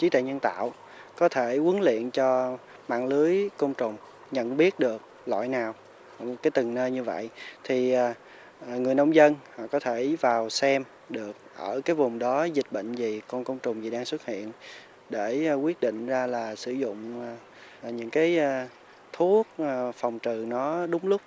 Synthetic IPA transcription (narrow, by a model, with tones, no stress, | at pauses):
t͡ɕi˨˦t̪a̰˧˨ɲə˧nt̪a̰ː˧˨w | kɔ˨˦t̪ʰe˧˩ʔu˨˦nlḭ˧˨ənt͡ɕɔ˧ | ma̰ː˧˨ŋlɨ˨˦əjkə˧wŋ͡mt͡ɕʊ˨˩ŋ͡m | ɲə̰˧˨nɓi˦˥ət̚ɗɨ˨˩ək̚ | la̰ː˧˨jnaː˨˩w | kaː˨˦jt̪ɨ˨˩ŋnəː˧ɲɨ˧və̰˧˨jʔt̪ʰiː˨˩˨ | ŋɨ˨˩əjnə˧wŋ͡mzə˧nhɔ̰˧˨kɔ˨˦t̪ʰe˧˩vaː˨˩wsɛ˧m | ɗɨ˨˩ək̚ʔəː˧˩kaː˨˦jvʊ˨˩ŋ͡mɗɔ˨˦zï˨˩k̟̚ɓə̰˧˨ŋ̟zi˨˩kɔ˧nkə˧wŋ͡mt͡ɕʊ˨˩ŋ͡mzi˨˩ɗaː˧ŋswə˦˥t̚hḭ˧˨ən | ɗe˧˩kwi˦˥ət̚ɗḭ̈˧˨ŋ̟zaː˧laː˨˩sɨ˧˩zʊ̰˧˨ŋ͡m | ɲɨ̰˧˥ŋkaː˨˦j | t̪ʰu˦˥ək̚fɔ˨˩wŋ͡mt͡ɕɨ˨˩nɔ˨˦ɗʊ˨˦ŋ͡mlʊ˦˥k͡p̚